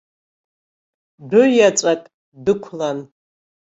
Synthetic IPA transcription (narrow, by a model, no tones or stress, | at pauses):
dʊjat͡sʼakʼ | dɨkʷʰlan